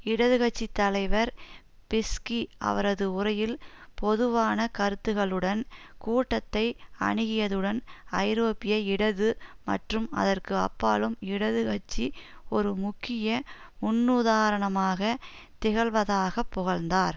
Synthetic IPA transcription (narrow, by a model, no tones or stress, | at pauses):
ɪɽɐðɯɣɐt͡ʃːit̪ːɐlɐɪʋɐɾ | pɪskiɐ̰ʋɐɾɐðɯʊrɐjɪlpɔðɯʋaːnɐkɐɾɯt̪ːɯɣɐɭɯɽɐnkuːʈːɐt̪ːɐɪɐ̰ɳɪɣɪjɐðɯɽɐnɐɪɾoːpɪjɐɪɽɐðɯmɐ̰ʈrɯmɐ̰ðɐrkɯɐ̰pːa̰ːlɯmɪɽɐðɯɣɐt͡ʃːiɔɾɯmʊkːɪjɐ | mʊnːuːðaːɾɐɳɐmaːɣɐ | t̪ɪɣɐɭʋɐðaːɣɐpːʊɣɐɭnd̪aːɾ